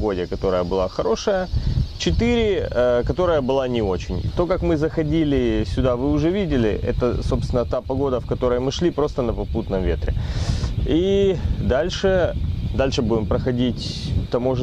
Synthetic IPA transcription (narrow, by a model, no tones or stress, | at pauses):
ɡo̞dʲɪkɐt̪o̞ɾəjəbɨlˠaxɐɾo̞ʂəjət͡ɕɪt̪ɨɾʲɪəkɐt̪o̞ɾəjəbɨlˠanʲɪo̞t͡ɕɪn̰ʲt̪o̞kakmɨzəxɐdʲilʲɪsʲʊd̪avɨʊʐɛvʲidʲɪlʲɪ̰ʔɛ̰t̪əso̞pst̪ʲɪnət̪apɐɡo̞d̪əfkɐt̪o̞ɾəjəmɨʂlʲipɾo̞st̪ənəpɐput̪nəmvʲe̞t̪ɾʲɪ | id̪alʲʂɨd̪alʲʂɨbudʲɪmpɾəxɐdʲitʲt̪ɐmo̞ʐ